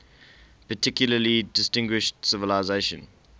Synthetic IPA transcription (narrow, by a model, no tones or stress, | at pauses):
pətʰɪkjʊləlidɪstɪ̃ŋɡwɪʃtsɪvəlaɪzeɪʃə̰̃n